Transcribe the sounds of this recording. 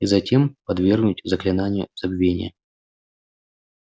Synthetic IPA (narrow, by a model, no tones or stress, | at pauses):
izɐtʲe̞mpɐd̪vʲe̞rɡnutʲzəklʲɪnanʲɪjʊ̰z̥ɐbvʲenʲɪ̰jə